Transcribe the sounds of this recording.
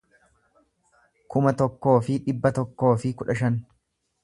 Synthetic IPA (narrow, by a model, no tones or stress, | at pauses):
kʊmɐt̪ɔkːo̞ːfɪᶑɪbːɐt̪ɔkːo̞ːfɪkʊᶑɐʃɐn